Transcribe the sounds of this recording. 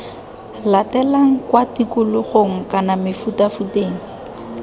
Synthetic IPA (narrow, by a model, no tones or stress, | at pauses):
latɛlaŋ̩kwatikʊlʊχoŋ̩kanamɪfutafuteːŋ̩